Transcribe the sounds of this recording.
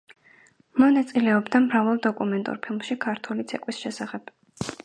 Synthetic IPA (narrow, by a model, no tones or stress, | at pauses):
mɔnat̪sʼilɛɔbd̪amɾavalˠd̪ɔkʼumɛnt̪ʼṵɾpʰilˠmʃikʰaɾt̪ʰulit̪sʰɛkʼwisʃɛsaχɛb̥